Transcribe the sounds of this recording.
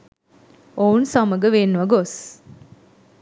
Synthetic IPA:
ounsaməɡəʋeːnːuʋɐɡos

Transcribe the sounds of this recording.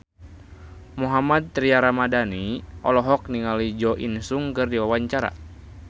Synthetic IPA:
muɦamad̪̚t̪ɾiaɾamadaniʔɔ̰lɔɦɔk̚niŋalid͡ʒɔʔḭnsuŋkɨrdiwawaɲt͡ʃaɾa̰

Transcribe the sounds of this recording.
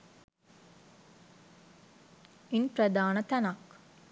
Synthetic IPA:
inpɾəd̪aːnət̪ɐnak

